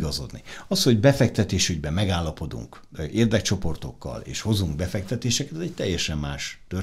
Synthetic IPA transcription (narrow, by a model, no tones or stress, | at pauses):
ɡɒzo̞̰d̪nḭɒsho̞ɟbɛfɛk̚t̪ɛt̪eːʃyɟbɛmːɛɡaːlːɒpo̞d̪ṵŋk | eːrd̪ɛk̚t͡ʃo̞po̞rt̪o̞kːɒ̰lḛːʃho̞zuŋɡ̚bɛfɛk̚t̪ɛt̪eːʃɛkɛt̪ɒzɛc̚t̪ɛjːɛʃɛmːaːʃt̪ø